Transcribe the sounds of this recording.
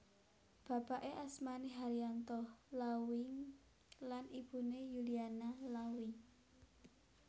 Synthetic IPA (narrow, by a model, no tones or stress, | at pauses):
b̥ä̤paʔeʔasmaniɦaɾiant̪ɔhlawɪŋ | lanib̥ṳnejulianalawɪŋ